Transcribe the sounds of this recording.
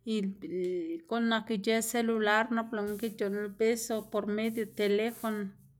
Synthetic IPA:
il | ko˦nːa˧ki˧d͡ʒe˦se˦lu˧la˦ɾno˦plo˨ŋki˦d͡ʒo˨nbe˦sopo˨ɾme˦d̪jo˧t̪e˨le˦fo˧no

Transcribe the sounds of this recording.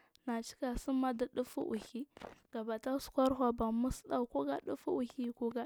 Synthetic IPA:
na˨t͡ʃi̥˦ka˨su˦ma˦da˨ɗu˦fṵ˦ʔṵ˨hi˦ɡ̥a˨ba˨ta˦su̥˨˦kʷa˦ɾɦʷa˨ba˨mu˦sɗa˨ko˦ɡa˨ɗu˦fu˦ʔu˨hi˦ku˦ɡa˦

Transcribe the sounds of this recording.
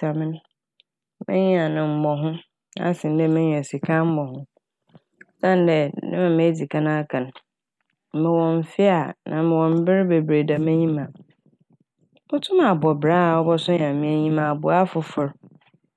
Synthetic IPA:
a˨mɪ̃˦n˦ | mɪ̰̃˦ɲĩ˦a˨nɪ̃˨m̩˦mɔ̃˨ɦʊ̃˦ | na̰˦sɪ̃˨n˦dɛ˦mɪ̃˦ɲĩ˨ɛ˨si˨kʰã˦m̩˦mɔ˨hʊ̃˦ | sã˦n˦dɛ˨nɪ̰̃˦mã˨me˦d͡zi˨kʰã˦nã˦a˦kʰã˨ñ˨ | mɪ̃˨wɔ̃˨m̩˨fɪ˦a˨nʔã̰˨mɪ̃˨wɔ̃˨m̩˦bɪ˦ɾbe˨bɾe˨da˨mẽ˦ɲĩ˦mã˨ | mʊ̃˦tʰʊ̃˦mã˨bɔ˨bɾa˦a˨ɔ˦bɔ˦sʊ̃˦ɲã˨mɪ̃˦æ˦ɲĩ˦mã˨bʊ˨a˦fʊ˨fʊ˨ɾ

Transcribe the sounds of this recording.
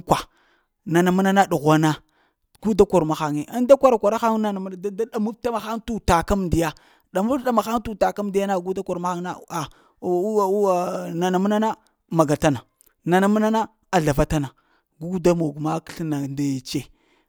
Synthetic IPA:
kʷa˨ | na˨na˨mu˦na˦na˦ɗu˨ɣʷa˦na˦ | ɡ̥u˦da˦kʷo˨ɾma˨xa˨ŋe˨ʔa˦nda˦kʷa˨ɾa˨kʷa˨ɾa˦xa˦ŋ˦na˨na˨m˦n˨da˦da˦ɗa˨mu˦fta˦ma˨xa˦ŋtu˦ta˨ka˦m˨di˨ja˦ | ɗa˨mu˦ɗa˦ma˨xa˦ŋtu˦ta˨ka˦m˦di˦ja˦na˦˨ɡu˦da˦kʷa˨ɾma˦xa˦ŋ˦na˦a˨˦˨ | na˨na˨mu˦na˦na˦ | ma˨ɡa˨ta˦na˨ | na˨na˨mu˦na˦na˦ | a˨ɮa˨va˦ta˦na˨ | ɡu˦ɡda˦mo˨ɡu˨ma˦kɬna˨nda˦je˨t͡ʃe˦

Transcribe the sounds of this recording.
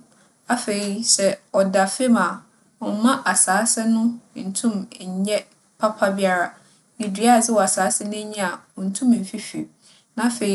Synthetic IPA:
a˦fe˨i˦sɛ˨ɔ˨da˨fe˦ma˨ | ɔ˨˦mã˦ʔa˨saː˨˦sɛ˦nʊ̃˦n̩˨tʰũ˦m̩˨ɲɛ̃˦ | pʰa˦pʰa˦bi˦a˨ɾa˨ | nĩ˨dɥa˦˨zɪ˦wɔ˨a˨saː˨˦sɛ˦nɪ̃˦ɲɛ̃˦a˨ɔ˨n̩˨tʰũ˦m˨m̩˨fi˦fḭ˨ | nã˦fe˨˦

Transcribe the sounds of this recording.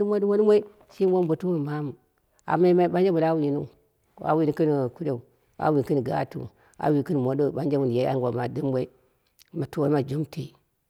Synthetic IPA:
i˦ma˦du˦mo˦n˦mʷa˦i˦ | ʃi˦o˦m˦bo˨tu˦mu˦n˨ma˦mu˨ | a̰˨ma˦ma˦ba˦n˦d͡ʒa˦mu˨la˦wi˨nu˦˨ | a̰˨wi˨ni˦ki˦n˨ku˦de˨u˨ | a̰˨wi˨kɨ˦n˨ɡa̰˦tṵ˨ | a̰˨wi˨kɨ˦n˨mo˨do˦˨ɓa˦nd͡ʒa˦mu˨n˨ja˨˦a̰˦ŋ˦ɡʷo˨ma˨di˦mwʷe˦i˦ | ma˨to˦ma˨d͡ʒu˦mti˨

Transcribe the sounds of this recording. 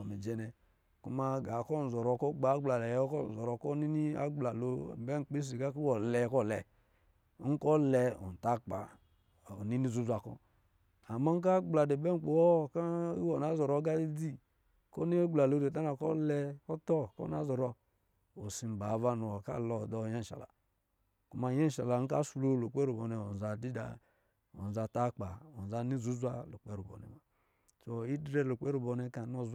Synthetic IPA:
me˨d͡ʒɛ˨˦nɛ˨ | ku˦ma˦ɡa˨˦kɔ˦˨n̩˨zɔ˨ɾɔ˨kɔ˦ɡ͡ba˨˦ɡ͡bla˨da˨jkɔ˦˨zɔ˨ɾɔ˨kɔ˦ni˦ni˦a̰˦ɡ͡bla˨lo˨bɛ˦ŋ͡m̩˨k͡pe˦s̬i˨ka˦ki˦wɔ˨lɛ˨˦kɔ˦˨lɛ̰˨˦ | ŋ̩˦kɔ˦lɛ˧o̰˨n˨ta˦k͡pa̰˨ | ni˦ni˦zu˦zu˨a˨kɔ̰˦ | a˨ma˦ŋ˦k̬a˦ɡ͡bla˨de˨bɛ˦ŋ͡m̩˨k͡po˨wɔ˦ka˦i˦wɔ˨na˨˦zɔ˨ɾɔ˨˦ɡa˦i˦di˦ | ko˦ni˦ɡ͡bla˨lo˨˦de˨t̬a˦na˨kɔ˦lɛ˦ɔ˦tɔ˦kɔ̰˦na˨˦zɔ˨ɾɔ˦ | o˨si˨m̩˨ba˨va˦nu˨o˨ka̰˦˨lɔ˨dɔ˨je˦n̩˨ʃa̰˨la̰˨ | ku˨ma˨˦e˦˨ʃa̰˨la˨˦ŋ̩˦ka˦su˨lo˦˨lo˨k͡pe˦ɾu˨bo˨ne˨o˨n˨za˨di˦da̰˨ | o̰˨n˨za˨ta˦k͡pa̰˨o˨n˨za˦ni˦zu˦zʷa˦lu˨k͡pe˦ɾu˨bo̰˨nḛ˨ma˨ | so˨i˦dɾe˦lo˨k͡pe˦ɾu˨bo˨ne˨˦ka˨no˨z

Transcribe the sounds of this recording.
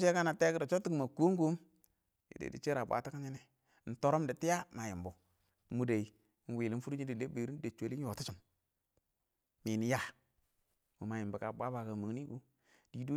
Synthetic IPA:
t͡ʃe˦ka˦na˨te˦kda˨t͡ʃo˦tːi˦kma˨ku˦ŋ˦ɡu˦m | jḭ˨dḛ˨dḭ˨t͡ʃe˦ɾa˨bʷa̰˨˦ta˦ka˦ɲi˦ni˦ | n̩˨to˦ɾo˦mdi˨ti˦ja˦ma˨ji˨mbu˨ | mu˨da˨i˨˦˨ | wiː˨li˨˦fu˦ɾu˦ɲi˦di˨le˦be˨ɾi˦n˦da˨t͡ʃʷe˨˦li˦n˦o˨ti˦t͡ʃu˨m | mi˨ni˨ja˦ | mu˨ma˨ji˨mbu˨ka˨bʷa˦ba˨ka˨mu˨ŋ˦ni˦ɡu˦ | d̥i˨du˦

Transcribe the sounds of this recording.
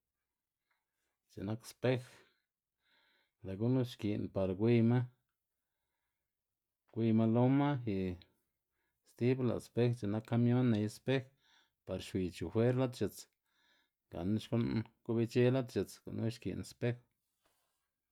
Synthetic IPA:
t͡ʃḛ˨na˦kspe˦x | la˨ɡu˦nu˦ʃki˨npa˨ɾɡʷi˧ma˦ | ɡʷi˧ma˧lo˦ma˦xi˨ | st̪i˦bla̰˨spe˦xt͡ʃe˨na˦kːa˦mjo˦nːe˨˧jspe˦x | pa˨˧ɾʃwi˨˧t͡ʃu˨fwe˦ɾla˦t̪t͡ʃe˨t͡s | ɡa̰˨n˦ʃko˦nku˦bi˦˧t͡ʃe˦la˦t̪t͡ʃe˨t͡sko̰˨nu˦ʃkḭ˨nspe˦x

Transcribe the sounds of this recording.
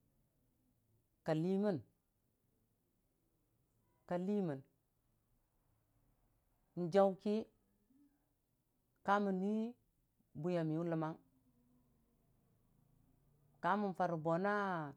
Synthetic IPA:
ka˨li˦mə˦n | ka˨li˦mə˨n | n̩˨d͡ʒa˦wki˦ | ka˦mu˨ni˦ | bu˨ja˨mi˨u˦lə˨ma˦ŋ | ka˦mu˨n˨fa˨ɾu˨bo˨na˦

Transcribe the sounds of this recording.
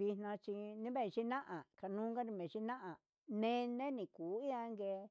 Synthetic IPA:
βi˧n̥nã˧t͡ʃi˧nĩ˦βẽ˦˧ʃi˦nã˦ʔã˨ka˧nũː˦ŋɡa˦ɾi˧mẽ˨ʃi˦nã˦ʔã˨ | nẽ˦nẽ˦nĩ˨kuː˨˦i˦ã˧˦ŋɡe˧

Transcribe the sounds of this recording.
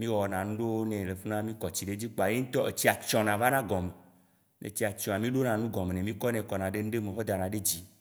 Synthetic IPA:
mĩ˦wɔ˨nã˨nũ˦ɖe˦wo˦nẽ˨le˨fu˦nã˦mĩ˦kɔ˨t͡ɕi˨ɖe˦d͡ʑi˦k͡po˨a˨je˦ŋ̩̃˦t̪ɔ˦e˨t͡ɕi˦a˨t͡ʃɔ̃˨nã˨va˦nã˦ɡɔ̃˨me˨ | nḛ˨t͡ɕi˦a˨t͡ʃɔ̃˨a˨mĩ˦ɖo˦nã˨nũ˦ɡɔ̃˨mẽ˨nẽ˨mĩ˦kɔ˦nɛ̃˨kɔ˨nã˨ɖe˦nũ˦ɖe˦mẽ˨xɔ˦d̪a˨nã˨ɖe˦d͡ʑi˦

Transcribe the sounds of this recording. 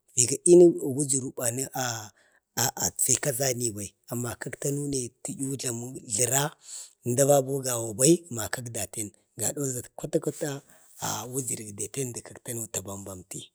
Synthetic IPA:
ji˨ɡa˨i˦ni˦˨wu˦d͡ʒi˨ɾu˨˦ba˨ni˦ʔa˨ | ʔa̰˨t͡se˨ka˦za˦ni˨ba˨i˨a˨mːa˨ka˦kta˦nu˦ne˨ti˨ju˦ɮa˨mu˦ɮi˨ɾa˦˨nda˦va˦bu˦ɡa˨wa˨ba˦i˦ma˨ka˦kda˨te˦n | ɡa˨do˦za˨tkʷa˦ta˦ku˦ta˦ | a̰˨wu˦d͡ʒi˨ɾɡde˨te˦ndə˨ka˨kta˦nu˦ta˨ba˨mba˨mti˦

